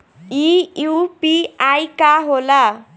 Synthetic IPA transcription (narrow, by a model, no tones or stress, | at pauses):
ijupiajkaɦola